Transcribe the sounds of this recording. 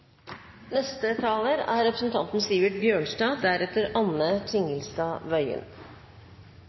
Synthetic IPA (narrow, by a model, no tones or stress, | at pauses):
nɛst̪ət̪ʰɑːləɾæ̰ːɾɾɛpɾəsn̩t̪ʰɑnt̪n̩siːʋəʈ̪̚bjøːɳsdɑːd̪æɾɛt̪əɾɑnət̪ʰɪŋəlst̪ɑːʋœʏə̰n